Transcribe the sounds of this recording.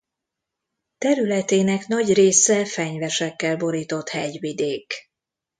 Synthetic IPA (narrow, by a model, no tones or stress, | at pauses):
t̪ɛɾylɛt̪eːnɛknɒɟreːsɛfɛɲvɛʃɛkːɛlbo̞ɾiːt̪o̞t̪hɛɟvid̪eːk